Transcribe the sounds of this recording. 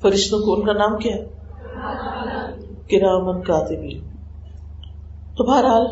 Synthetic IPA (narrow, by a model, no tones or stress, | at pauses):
fɐɾɪʃt̪õkoʊnkanaːmkjaɦɛ | kɪɾaːmənkaːt̪ɪbli | t̪obaːɾɦaːl